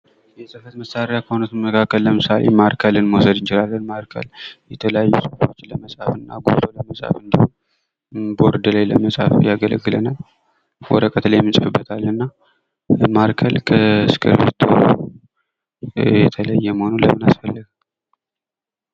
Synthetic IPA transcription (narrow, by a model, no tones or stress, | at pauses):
jɛsʼɨfət̪məsːaɾɪjakʰəhonət̪nmːəkʰakːəlːəmɨsalḛmaɾkʰəlɨnməwsəd̪ɨnt͡ʃɪlalːənmaɾkʰə̰ljɛt̪ʰələjajːusəfo̞t͡ʃːləməsʼafɨnːa̰ɡo̰ɾoləməsʼa̰fɨnd̪əhum | bo̞ɾd̪əlajlə̰məsʼafjaɡələ̰ɡːɨlə̰nal | wɔ̰ɾəkʼət̪lajmːɨnsʼɨfɨbːət̪ʰalːɨnːa | maɾkʰəlkʰəskʰɨ̰ɾβḛt̪ʰo | jɛt̪ʰələjːɛməhonuləmɨnasfəlːəɡ